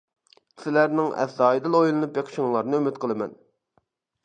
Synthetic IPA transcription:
sɪlæɾnɪŋɛ̰θːɑːjid̪ɨlˠojlˠɨnup̚beqʰʲɪ̥ʃɪŋlˠɑɾnɨømɪt̪̚qʰəlˠɨmɛ̰n

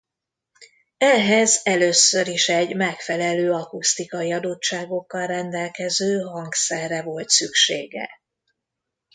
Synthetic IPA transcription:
ɛɦɛzɛløːsːøɾiʃɛɟmɛkfɛlɛløːɒkust̪ikɒiɒd̪o̞t͡ʃːaːɡo̞kːɒlrɛnd̪ɛlkɛzøːɦɒŋksɛrːɛvo̞lt̪sykʃeːɡɛ̰

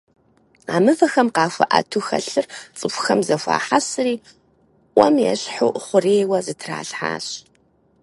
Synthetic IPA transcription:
aːmɨvɐxɐmqɑːfʷɐ̰ʔɐ̰tʰuxɐ̰ɬɨrt͡sʼɨpʷxɐmzɐfʷa̰ːħasɨriː | ʔʷɔmjɛ̰ɕħʊχʷʊreːwɐzɨtʰra̰ːɬħa̰ːɕ

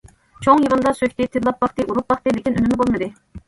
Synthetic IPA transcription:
t͡ʃʰoŋjəʁənd̪ɑsøkʲt̪ɪt̪ʰɪd̪lˠɑp̚bɑχt̪ɨʔuɾup̚bɑχt̪ɨlɪkʲinynɪnɪbolˠmɨd̪ɨ

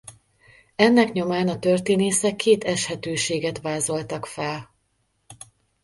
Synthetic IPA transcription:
ɛnːɛkɲo̞maːnɒt̪ørt̪eːneːsɛkːeːt̪ɛʃhɛt̪øːʃeːɡɛt̪ʋaːzo̞lt̪ɒkfɛl

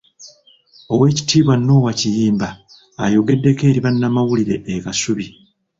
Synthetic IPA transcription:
o̞we̞ːci̥tiːβwanːo̞ːwacijiːmbaː | jo̞ɡe̞dːe̞ke̞ːɾiβanːamawuliɾe̞ʔːkasuβi

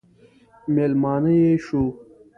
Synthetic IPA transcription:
melmɑːnɐjeɕu

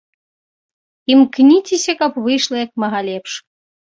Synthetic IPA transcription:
imknʲitʲisʲɐkapβɨjʃlˠɐjɑk̚mɑɣɑlʲepʃ

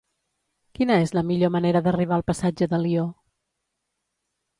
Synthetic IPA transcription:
kinəezləmiʎoməneɾəðəriβ̞aəlˠpəsad͡ʒəðəlio

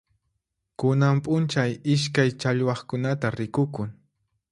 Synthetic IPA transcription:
kʊnampʼʊnt͡ʃajɪʃ̬kajt͡ʃaʎwɑχkʊnat̪aɾɪkʊkʊŋ

